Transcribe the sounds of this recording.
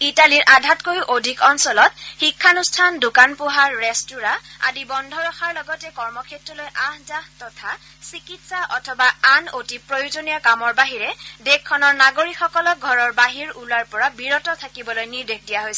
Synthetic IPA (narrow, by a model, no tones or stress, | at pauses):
italiɹʔadʱatkojiʔodʱikɔnsɔlɔt̚xikʰːanustʰandukanpuɦaɹːestuɹaa̰dibɔndʱɔɹɔxaɹlɔɡɔtɛkɔɹmɔkʰetɹɔlojʔaɦzahtɔtʰa | sikitsaʔɔtʰɔbaanotipɹojuzonijakamɔɹbaɦiɹɛdekʰːɔnɔɹnaɡoɹikxɔkɔlɔk̚ɡʱɔɹɔɹbaɦiɹulaɹpɔɹabiɹɔtɔtʰakibɔlojniɹdekʰdijaɦojsɛ